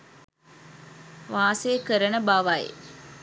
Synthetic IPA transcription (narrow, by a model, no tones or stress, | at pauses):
ʋaːsekəɾənəbaʋaj̰